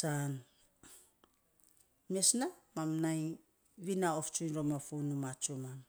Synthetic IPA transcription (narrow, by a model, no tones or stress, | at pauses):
san | miesnamamnaj | βinaoft͡ʃuɾomafunumat͡ʃuman